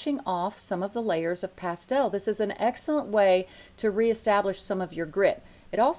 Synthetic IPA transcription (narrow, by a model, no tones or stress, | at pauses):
ʃɪ̃ŋɔfsʌ̃mʌvðəleɪə˞zʌv̥pʰæstɛlˠðɪsɨzɨ̃nɛksl̩ˠə̃nʔweɪ | ɾɨɹiɨstæblɨʃsʌ̃mʌvjə˞ɡɹɪɾ | ɨɾɔlˠ